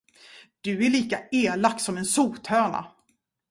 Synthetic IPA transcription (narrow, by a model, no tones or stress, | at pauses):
d̪̥ɵæɭiːkaeːlakt̪sɔmɛnsuːt̪hœːɳa̰